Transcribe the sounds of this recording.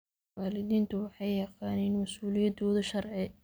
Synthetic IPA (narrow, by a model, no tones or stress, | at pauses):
waːlɪðiːnt̪ʰʊwɑħɑjːɐqɑːnɪnmɐsuːlɪjɐd̪ɔːðɐʃɐrʕɪ